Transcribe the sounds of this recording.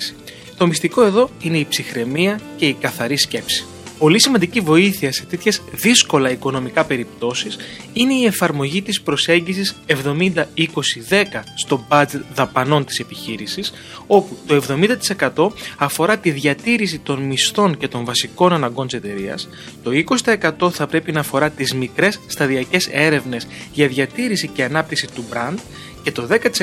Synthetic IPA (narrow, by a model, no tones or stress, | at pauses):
s | t̪o̞mist̪iko̞e̞ðo̞ine̞ipsixɾe̞miɐce̞ikɐθɐɾisce̞psi̥ | po̞lisimɐnd̪icivo̞iθiɐse̞t̪e̞t̪çe̞zðisko̞lɐiko̞no̞mikɐpe̞ɾipt̪o̞sisine̞ie̞fɐɾmo̞ʝit̪ispɾo̞se̞ɲɟisise̞vðo̞mind̪ɐiko̞siðe̞kɐst̪o̞bɐd͡ze̞t̪ðɐpɐno̞nt̪i̥se̞piçiɾisis | o̞put̪o̞e̞vðo̞mind̪ɐt̪i̥se̞kɐt̪o̞ɐfo̞ɾɐt̪iðʝɐt̪iɾis̬it̪o̞nmist̪o̞ɲce̞t̪o̞ɱvɐsiko̞nɐnɐŋɡo̞nt̪iset̪e̞ɾiɐ̰s | t̪o̞iko̞si̥t̪ɐekɐt̪o̞θɐpɾe̞pinɐːfo̞ɾɐt̪izmikɾe̞sːt̪ɐðiɐce̞se̞ɾe̞vne̞sʝɐðʝɐt̪iɾisice̞ɐnɐp̚t̪iksit̪ubɾɐnd̪ | ce̞t̪o̞ðe̞kɐt̪is